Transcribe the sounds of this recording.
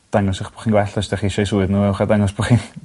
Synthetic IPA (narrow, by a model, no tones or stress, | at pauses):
d̥aŋɔsɪχb̥ɔ̥χiːnɡwɛɬɔsdɛχiʃɔjsuɨðnuːɛwχadaŋɔsbɔχiːn